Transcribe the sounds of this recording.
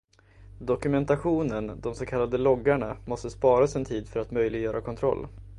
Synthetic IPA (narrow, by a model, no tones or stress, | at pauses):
d̪ɔkɵmɛnt̪aɧuːnənd̪ɔmsɔkʰalːad̪əlɔɡːaɳamɔst̪əspɑːɾasɛnt̪ʰiːd̪fœɾat̪mœjlɪɡjœːɾakʰɔnt̪ʰɾɔ̰lː